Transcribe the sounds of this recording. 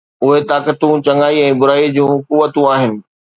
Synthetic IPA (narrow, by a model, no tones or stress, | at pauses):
ʊɦet̪aːkət̪ũt͡ɕɐ̃ŋɡaːiɛ̃ːbʊɾaːid͡ʑũːkʊʋːət̪ũaːɦɪnɪ̆